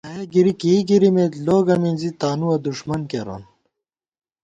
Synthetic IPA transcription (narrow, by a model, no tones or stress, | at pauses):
ɐeɡiɾikiːɡiɾimeːt̪loːɡɐminzit̪aːnuɐd̪uʂmɐnkeɾo̰n